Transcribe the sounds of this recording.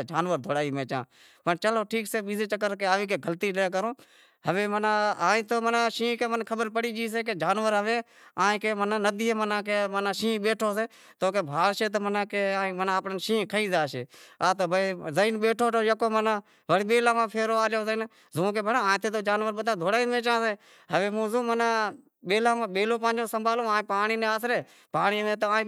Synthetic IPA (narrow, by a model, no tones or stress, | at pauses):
d͡ʒaːnʋəɾd̪ʱoːɽaːiːmẽːt͡ʃã̰ː | pəɳt͡ʃəloːʈʰiːkseːɓizeːt͡ʃəkːəɾkeaːʋiːkeːɡʱəlt̪iːleːk̬əɾõː | ɦəʋeːmənaːaːĩːt̪oːmənaːʃĩːkeːmənkʰəɓəɾpəɽiːd͡ʒiːs̬eːk̬ed͡ʒaːnʋəɾɦəʋẽː | aːĩkeːmənanəd̪iːemənãːkeːmənaːʃĩːɓeːʈʰoːseː | t̪oːkeːbʱaːlʃeːt̪̬oːmənãːkeãːmənaːpnənʃĩːkʰəiːzaːʃeːaːt̪oːbəiːzəiːnɓeːʈʰoːʈoːjəkoːmənãː | ʋəɽiːɓeːlãːmãːpʰeːɾoːaːljoːzəiːn | zũːk̬eːbənãːãːt̪ʰeːt̪oːd͡ʒaːnʋəɾɓəd̪ãːd̪ʱoːɽaːimẽːt͡ʃãːseː | ɦəʋẽːmũːzõːmənãː | ɓeːlaːmãːɓeːloːpãːnd͡ʒõːsəmbʱaːlõːãːpaːɳiːnẽːaːsɾeː | paːɳiːʋẽːt̪oãː